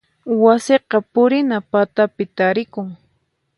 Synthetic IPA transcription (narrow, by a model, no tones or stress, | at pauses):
waseqɑpʊɾɪnapat̪apɪt̪aɾɪkʊŋ